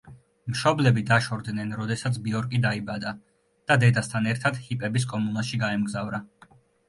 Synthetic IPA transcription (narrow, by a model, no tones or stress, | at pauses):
mʃɔblɛbid̪aʃɔɾd̪nɛnɾɔd̪ɛsat̪sʰbiɔɾkʼid̪aibad̪a | d̪̥ad̪ɛd̪ast̪ʰanɛɾt̪ʰad̪̥hipʼɛbis̬kʼɔmunaʃiɡaɛmɡzavɾa